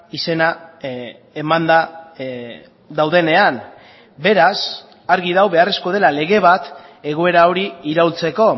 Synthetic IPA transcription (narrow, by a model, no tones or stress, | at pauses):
ise̞na | e̞mand̪a | d̪awðe̞ne̞an | be̞ɾas | aɾɣiðawβe̞are̞sko̞ð̞e̞lale̞ɣe̞β̞at̪e̞ɣ̞ue̞ɾao̞ɾiiɾawlt͡se̞ko̞